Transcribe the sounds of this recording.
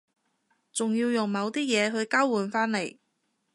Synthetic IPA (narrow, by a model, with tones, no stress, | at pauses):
t͡sʊ˨ŋjiː˧wjʊ˨˩ŋmɐ˨˧wt̪iː˥jɛː˨˧ɦɵ˨˧ɥkaː˥wuː˨˩nfaː˥nle˨˩j